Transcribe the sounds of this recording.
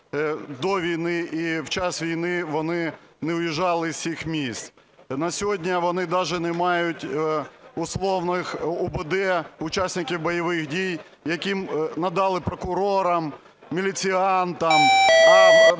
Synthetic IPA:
d̪ɔʋʲijnɪʔiwt͡ʃɑsʋʲijnɪʋɔnɪnɛʊjiʒɑlˠɪsʲixmʲisʲt͡s̪ | nɐsʲɔɦɔdʲnʲɐʋɔnɪd̪ɑʒɛnɛmɑjʊtʲ | ʊslˠɔwnɪxɔbɪd̪ɛʊt͡ʃasʲnʲɪkʲiwbɔjɐʋɪxdʲij | jɐkʲimnɐd̪ɑlˠɪpɾɔkʊɾɔɾɐm | mʲilʲit͡sʲiɑnt̪ɐm

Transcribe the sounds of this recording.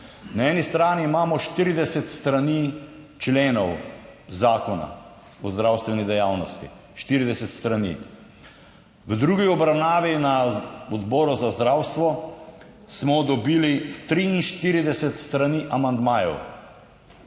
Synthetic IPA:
naɛːnist̪ɾaːniːmaːmɔʃt̪iɾid̪ɛsɛt̪st̪ɾanit͡ʃleːnɔwzaːkɔna̰ | ɔzd̪ɾawst̪ʋɛnid̪ɛjaːwnɔst̪ḭ | ʃt̪iːɾid̪ɛsɛt̪st̪ɾanḭ | ʋəd̪ɾuːɡiɔbɾawnaːʋinaɔd̪bɔːɾuzazd̪ɾaːwst̪ʋɔ | smɔd̪ɔbiːlit̪ɾiinʃt̪iɾid̪ɛsɛt̪st̪ɾaniːʔamand̪maːjɛ̰w

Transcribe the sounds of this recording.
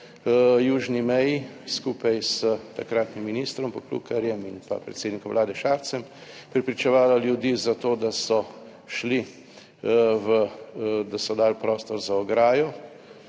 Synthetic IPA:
juːʒnimɛjiskuːpajsət̪akɾaːt̪nimːiniːst̪ɾɔmpɔklṵkaɾjɛminpa̰pɾɛ̰t̪sed̪nikɔmʋlaːd̪ɛʃaːɾt̪sɛmpɾɛpɾit͡ʃɛʋaːlaljud̪iːzat̪oːd̪asɔ | ʃli | ʋəd̪asɔd̪aːlpɾɔːst̪ɔɾzaɔɡɾaːjɔ

